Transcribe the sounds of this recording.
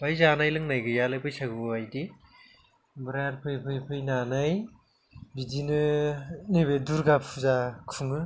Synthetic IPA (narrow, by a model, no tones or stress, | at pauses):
bajzanajlɯŋnajɡɯjalajpɯjsaɡɯbajdi | bɯɾaaɾpʰɯjpʰɯjpʰɯjnanaj | bidinɯniβeduɾɡapʰuzakʰuŋɯ